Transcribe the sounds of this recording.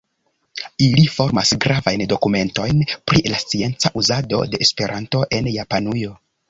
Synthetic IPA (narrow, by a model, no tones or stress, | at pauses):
ilifo̞ɾmasɡɾavajndo̞kume̞nto̞jnpɾilast͡sie̞nt͡saʔuzado̞̰de̞ːspe̞ɾʔanto̞ʔe̞njapanujo̞